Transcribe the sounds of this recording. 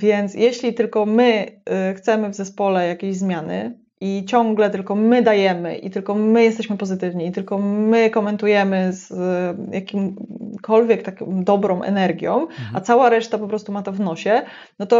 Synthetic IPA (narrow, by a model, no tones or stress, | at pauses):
vʲjɛnt̪sjɛɕlʲit̪ɘlkɔmɘxt̪sɛmɘvzɛspɔlɛjakʲeʑzmʲjanɘ̰ | ʔit͡ɕɔ̃ŋɡlɛt̪ɘlkɔmɘd̪ajɛmɘ̰ʔḭt̪ɘlkɔmɘjɛst̪ɛɕmɘpɔzɘt̪ɘvɲiːt̪ɘlkɔmɘkɔmɛnt̪ujɛmɘzjakʲimkʰɔlvʲjɛkt̪akɔmd̪ɔbɾɔ̃m̃ʔɛ̰nɛɾɡʲjɔ̃w̃a̰t̪sawaɾɛʂt̪apɔpɾɔst̪umat̪ɔvnɔɕɛ | nɔt̪ɔ